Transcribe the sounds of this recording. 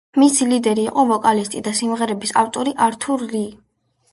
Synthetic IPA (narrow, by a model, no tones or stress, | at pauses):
misilid̪ɛɾiːqʼɔvɔkʼalist̪ʼid̪asimʁɛɾɛbisaft̪ʼɔɾiʔaɾt̪ʰuɾli